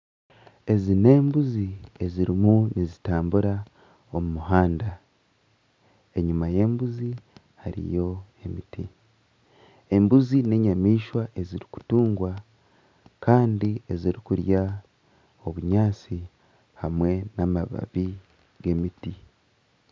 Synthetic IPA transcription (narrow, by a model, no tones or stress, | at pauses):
e̞zine̞ːmbuzie̞ziɾimunizitaːmbuɾa | o̞mumuɦaːnda | e̞ɲumaje̞ːmbuzi | haɾḭjo̞e̞miti | e̞mbuzine̞ɲamiːʃwaʔe̞ziɾiku̥tuːŋɡwa | kaːndie̞ziɾikuɾja | oβuɲaːt͡si | hamwe̞namaβa̰βi | ɡe̞miti